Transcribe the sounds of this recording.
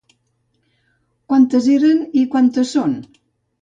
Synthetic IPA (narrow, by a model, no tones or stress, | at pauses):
kwant̪əzeɾənikwant̪əson